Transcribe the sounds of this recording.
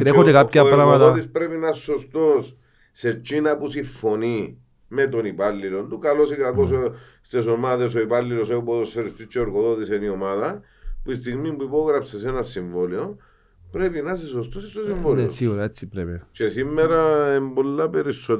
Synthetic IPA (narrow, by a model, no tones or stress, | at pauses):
ɾexot̪ekap̚aɾamaot̪ispɾepinasːost̪os | set͡ʃːinapusifːoni | met̪onipalːilont̪ukalosikakos̬o | st̪es̬omaðes̬oipalːilos̬opoðoseɾist̪it͡ʃːeoɾɡoðot̪iseniomaða | puist̪iɣmimbuipoɣɾapses̬enasːiɱvolo | pɾepinas̬is̬ost̪osist̪osiɱvolosiuɾaet͡sːipɾevet͡ʃesimːeɾaembolːapeɾisːot̪